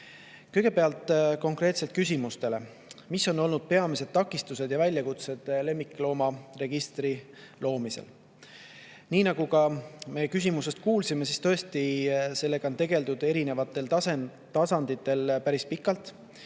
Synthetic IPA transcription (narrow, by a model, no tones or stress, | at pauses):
kɤjɡ̥epe̞ɑlt̪ːˑko̞ŋkre̞ːt̪se̞lt̪̚kys̬ʲimust̪e̞le̞ | misːo̞no̞lnud̪̥̚pe̞ɑmise̞d̪̥̚t̪ːɑkːˑist̪use̞d̪̥jɑvælʲjɑkut̪se̞d̪̥le̞mːikːˑlo̞ːmɑre̞ɡ̥ist̪ri | lo̞ːmisḛl | niːnɑɡ̥ukɑme̞kys̬ʲimuse̞st̪̚kuːlsime̞sist̪ɤ̞est̪ise̞lːe̞ɡ̥ɑont̪e̞ɡ̥e̞ld̪ud̪̥e̞ɾine̞vɑt̪ːˑe̞lse | t̪ɑsɑnd̪̥it̪ːˑe̞lpæɾispikːˑɑlt̪ˑ